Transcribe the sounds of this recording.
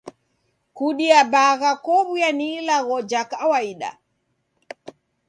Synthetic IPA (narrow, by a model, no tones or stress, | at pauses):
kuɗiabaɣakɔβujanilaɣɔd͡ʒakawaiɗa̰